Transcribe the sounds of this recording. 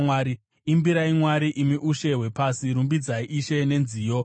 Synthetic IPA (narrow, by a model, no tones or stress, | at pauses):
waːɾi | imbiɾaimwaɾiʔimiʔuʃe̞ɦwe̞pasiɾumbid͡zaiʔiʃe̞ne̞nziːjo̞